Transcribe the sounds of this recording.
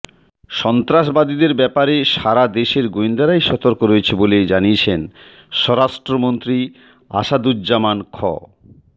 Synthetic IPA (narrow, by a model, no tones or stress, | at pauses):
ʃɔnt̪ɾaʃbad̪id̪eɾbɛpaɾeʃaɾad̪eʃeɾɡoind̪aɾajʃɔt̪oɾkoɾojet͡ɕʰeboled͡ʑaniet͡ɕʰen | ʃɔɾaʃʈɾomont̪ɾi | a̰ʃad̪udd͡ʑamankʰɔ̰